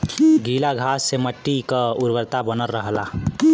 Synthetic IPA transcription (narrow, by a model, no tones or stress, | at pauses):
ɡʱilaɡʱasːeməʈːikəuɾʋəɾt̪abənəlɾəɦəla